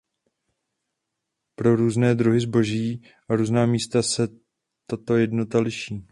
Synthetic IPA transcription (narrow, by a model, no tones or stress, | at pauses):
pɾo̞ɾuːznɛːd̪ɾuɦɪzbo̞ʒiː | ʔaɾuːznaːmiːst̪asɛ | t̪at̪o̞jɛdno̞t̪alɪʃiː